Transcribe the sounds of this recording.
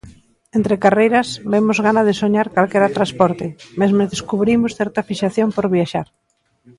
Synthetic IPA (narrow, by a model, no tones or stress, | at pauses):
ent̪ɾekarejɾɐsbemʊzɣanaðɪsoɲaɾkalkɛɾat̪ɾaspɔɾt̪ɪmezmeðeskuβɾimʊsθɛɾt̪ɐfiʃaθjompoɾβjaʃaɾ